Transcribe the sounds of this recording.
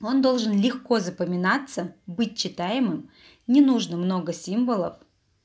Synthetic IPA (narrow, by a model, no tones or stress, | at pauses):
o̞nd̪o̞lˠʐɨnlʲɪxko̞zəpəmʲɪnat̪sːəbɨt̚ʲt͡ɕːɪt̪ajɪmɨm | nʲɪnuʐnəmno̞ɡəsʲimvəlˠə̰f